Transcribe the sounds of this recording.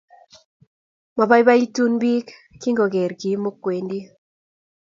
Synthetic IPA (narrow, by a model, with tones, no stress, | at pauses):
ma˨ba˦jba˦i˦tu˦nbi˦k | kːi˦ŋɡo˨ɡe˨ɾɡi˨˦mo˦kwe˨ndi˦